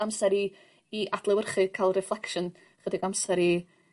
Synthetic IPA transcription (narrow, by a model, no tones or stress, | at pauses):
amsɛɾiː | ʔad̥lˠɛwərχɨkʰaɪlˠrɛflˠɛkʃən | χədɪɡamsɛɾi